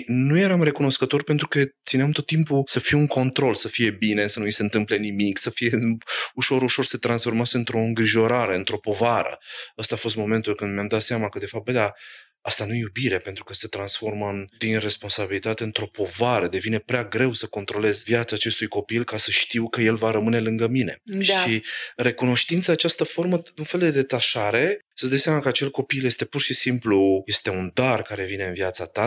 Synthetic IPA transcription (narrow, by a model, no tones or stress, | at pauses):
nuje̞ɾamre̞kuno̞skət̪o̞rpent̪ɾukət̪sineamt̪o̞t̪ːimpusəfiwuŋko̞nt̪ɾo̞lsəfije̞bine̞sənuise̞ɨnt̪ɨmple̞nimiksəfije̞uʃo̞ɾuʃo̞rset̪ɾansfo̞rmaseɨnt̪ɾo̞ɨŋɡɾiʒo̞ɾaɾe̞ɨnt̪ɾo̞po̞vaɾə̰əst̪aːfo̞s̬t̪̚mo̞me̞nt̪ulkɨnd̪mjamd̪at̪seamakəd̪e̞fap̪̚bəjd̪a | ast̪anujejubiɾepe̞nt̪ɾukəse̞t̪ɾansfo̞rmənd̪inre̞spo̞nsabilit̪at̪e̞ɨnt̪ɾo̞po̞vaɾəd̪e̞vine̞pɾeaɡɾe̞wsəko̞nt̪ɾo̞le̞zvjat̪saːt͡ʃe̞st̪ujko̞pilkasəʃt̪iwkəje̞lvaɾəmɨne̞lɨŋɡəmine̞̰ʃʃiɾe̞kuno̞ʃt̪int̪saːt͡ʃast̪əfo̞rməd̪unfe̞ld̪e̞d̪e̞t̪aʃaɾe̞ | səd̪əjseamakəat͡ʃe̞lko̞piljest̪e̞purʃisimpluje̞st̪e̞und̪arkaɾe̞vine̞ɨnvijat̪sat̪a